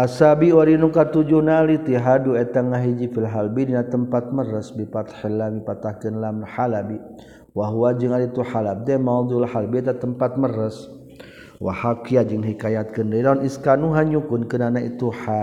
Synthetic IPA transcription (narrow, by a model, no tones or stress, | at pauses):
ʔasabiwaɾinukat̪ud͡ʒuhnalit̪iɦaduɛt̪aŋaɦid͡ʒifilɦalbidinat̪əmpat̪̚məɾəsbipat̪hilːamipat̪ahkənlamnħalabi | waɦuwad͡ʒəŋalit̪uħalab̚d̪ɛmad̪ulhalbiɛt̪at̪əmpat̪̚mərəs | wa̰hakiad͡ʒəŋɦikajat̪̚kəndəidaniskanuɦaɲukʊnkənanait̪uħa